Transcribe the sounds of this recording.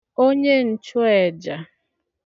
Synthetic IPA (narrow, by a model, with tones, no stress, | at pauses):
o˦ɲe˦n̩˨t͡ʃʊ˦ɛ˨d͡ʒa˨